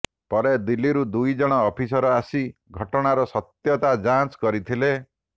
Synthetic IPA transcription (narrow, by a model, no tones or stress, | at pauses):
pɔɾed̪ilːiɾud̪ujd͡ʒɔɽ̃ɔːpʰisɔɾɔasiɡʱɔʈɔɽ̃aɾɔsɔt̪jɔt̪ad͡ʒant͡ʃkɔɾit̪ʰile